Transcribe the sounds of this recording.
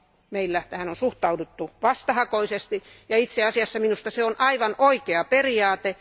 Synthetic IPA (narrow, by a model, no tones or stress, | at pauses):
meilːæt̪æhænonsuht̪ɑudut̪ːuʋɑst̪ɑhɑkoisest̪ijɑit̪seɑsiɑsːɑminust̪ɑseonʔɑiʋɑnoikeɑperiɑːt̪e